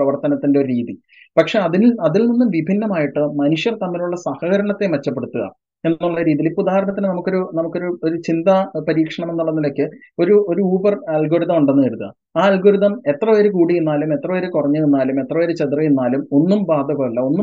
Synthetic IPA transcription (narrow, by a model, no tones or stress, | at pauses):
ɐʋɐrt̪ɐnɐt̪ːindeo̞ɾuɾiːði | pɐkʂe̞ɐðiniɐðilninːumʋibʱinːɐmaːjiʈːɨmɐnuʂjɐrt̪ɐmːiluɭːɐsɐhɐɣɐɾɐɳɐt̪ːe̞mɐt͡ɕːɐpːeɽut̪ːuɣɐ̰ | e̞nːuɭːɐɾiːðilipːud̪aːhɐɾɐnɳɐt̪ːinɨnɐmukːo̞ɾunɐmukːo̞ɾuo̞ɾut͡ɕind̪ɐpɐɾiːkʂɐɳɐmenːuɭːɐnːilo̞kːɨo̞ɾuo̞ɾuuːbɐrɐlɡʱo̞ːɾiðɐmuɳɖe̞nːɨʋɐɾut̪ːɐ̰ | aːɐlɡoːɾiðɐme̞t̪rɐʋɐɾukuːɽienːaːlume̞t̪ːrɐʋɐɾukurɐɲːuenːaːlume̞t̪rɐʋɐɾut͡ɕet̪rijenːaːlumo̞nːumbaːd̪ʱɐɣɐmɐlːɐo̞nːum